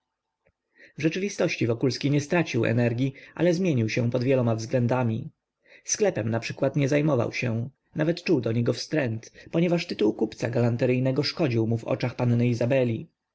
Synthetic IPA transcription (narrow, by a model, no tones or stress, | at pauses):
vʐɛt͡ʂɘvʲist̪ɔɕt͡ɕivɔkulskʲiɲɛst̪ɾat͡ɕiwɛ̰nɛɾɡʲjiʔa̰lɛzmʲjeɲiwɕɛ̃pɔd̪vʲjɛlɔmavzɡlɛnd̪amʲi | sklɛpɛmnapʂɘkwat̪ɲɛzajmɔva̰wɕɛ | navɛt̪t͡ʂuwd̪ɔɲɛɡɔfst̪ɾɛnt̪pɔɲɛvaʂt̪ɘt̪uwkupt̪saɡalant̪ɛɾɘjnɛɡɔʂkɔd͡ʑiwmuvɔ̰t͡ʂaxpannɘizabɛlʲi